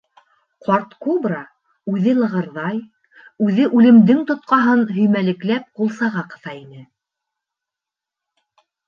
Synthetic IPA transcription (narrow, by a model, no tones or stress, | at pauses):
qʰɑɾt̪kobrɑ | ʉðɘlˠɤ̆ʁɤ̆ɾðɑj | ʉðɘʔʉlɘ̆md̪ɘŋt̪ŏt̪̚qɑɦɤnɦɵ̆jmælɘ̆klæp̚qulˠsɑʁɑqɤ̆θɑinɘ